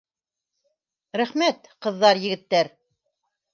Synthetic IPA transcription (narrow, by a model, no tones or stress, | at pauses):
ɾæχmæt̪qɤ̆ðːɑɾjɘ̆ɡɘ̆t̪ːæɾ